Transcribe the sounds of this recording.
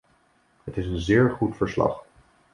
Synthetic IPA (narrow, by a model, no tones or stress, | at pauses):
ɦətɪsənzɪːɹχutfəɹslɑ̰χ